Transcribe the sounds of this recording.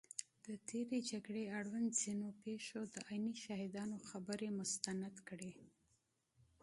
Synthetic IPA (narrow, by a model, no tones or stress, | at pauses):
d̪̥ət̪ʰeɾed͡ʒaɡɽeaɽwand̪z̥inopeʃod̪əʔɑjniʃahɪd̪ɑnoxabəɾemʊst̪anad̪kɽe